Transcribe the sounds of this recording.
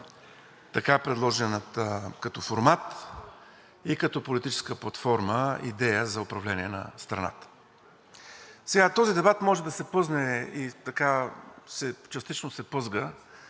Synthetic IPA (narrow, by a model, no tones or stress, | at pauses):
t̪ɐkapɾɛd̪lˠɔʒɛnət̪əkɐt̪ɔfoɾmat̪ | ikɐt̪ɔpolit̪it͡ʃɛ̥skəplˠɐt̪fɔɾməḭd̪ɛjəzɐʊpɾɐvlɛniɛnɐ̰st̪ɾɐ̰na̰t̪ə̥ | sɛɡat̪ɔzid̪ɛbat̪mɔʒɛd̪ɐsɛpɤznɛit̪ɐkasɛt͡ʃɐst̪it͡ʃnosɛpɤzɡə